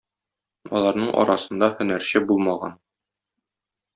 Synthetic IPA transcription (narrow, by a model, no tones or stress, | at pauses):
ɒ̰lˠɑɾnɤɴʔɒ̰ɾɑsɤ̆nd̪ɑhɵ̆næɾɕɘbulˠmɑʁɑ̰n